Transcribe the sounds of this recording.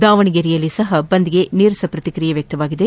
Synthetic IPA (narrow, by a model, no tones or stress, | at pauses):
d̪aːʋɐɳiɡeɾijɐlːisɐɦɐbɐnd̪iɡeniːɾɐsɐpɾɐt̪ikɾijɐʋjɐk̚t̪ɐʋaːɡid̪e